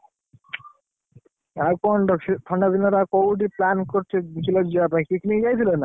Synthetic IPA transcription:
aɾkɔnt̪ʰɔɳɖab̪inaɾakowʈ̬iplankoɾt͡ʃʰet͡ʃʰilend͡ʑeapãikikinid͡ʑajt̪ʰilen

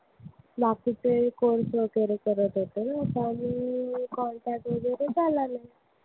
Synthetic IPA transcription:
bakit͡sekoɽsokeɾekəɾət̪ɦot̪enasamikɔɳʈak̚ʈʋəd͡zeɾed͡zalanaj

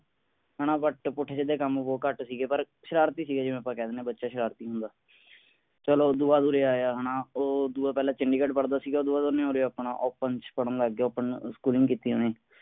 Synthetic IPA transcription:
ɦənaːbəʈpʊʈʰːeːsed̪eːkəmʋoːkəʈsiːɡeːpəɾ | ʃəɾaːɾt̪iːsiːɡeːd͡ʒeːẽːəpːãːkɛːd̪eːnẽːbətːʃaːʃəɾaːɾt̪iːɦʊ̃nd̪aː | t͡ʃəloːd̪uːaːd̪uːɾeːaːjaːɦənãːoːd̪uːaːpɛːlãːt͡ʃəɳɖiːkəʈpəɽd̪aːsiːɡaoːd̪uːaːd̪oːnẽoːɾeːpɳa̰ːʔɔːpənt͡ʃpəɽə̃nd̪aɡːeɔːpənskuːlɪŋɡkiːt̪iːɦõ̰ːneː

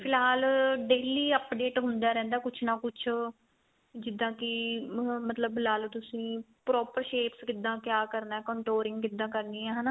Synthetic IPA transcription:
pʰɪlɦaːlɖeːliːəpɖeːʈɦʊnd̪aːɾɛ̃ːnd̪aːkʊt͡ʃʰnãːkʊt͡ʃʰ | d͡ʒɪd̪ːãːkɪ | mət̪ləblaːlt̪ʊsĩː | pɾɔːpəɾʃeːpskɪd̪ːãːkjaːkəɾnaːɛːkɔ̃ːɳʈoːɾɪ̃ŋɡkɪd̪ːãːkəɾniːɛ̃ːɦənaː

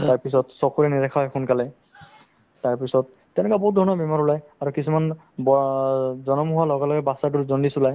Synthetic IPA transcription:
taɹpis̬ɔtsɔkuɹɛnidɛkʰaɦxunkalɛ | taɹpisɔt̚ːɛnɛkabɔɦut̚dʱɔɹnɔbɛmaɹulajaɹukisuman | bɔzɔnɔmuɦʊalɔɡalɔɡɛbasat̬uzɔndisulaj

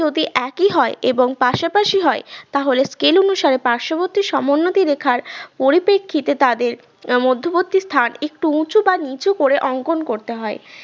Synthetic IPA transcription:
od̪iʔɛkiɦɔeʔeboŋpaʃapaʃiɦɔet̪aɦoleskelonuʃaɾepaɾʃoboɾt̪ːiʃɔmonːot̪iɾekʰaɾpoɾipekʰːit̪et̪ad̪eɾ | mod̪ʱːobot̪ːist̪ʰanek̚ʈuũt͡ɕubanit͡ɕokoɾeʔɔŋkonkoɾt̪eɦɔe

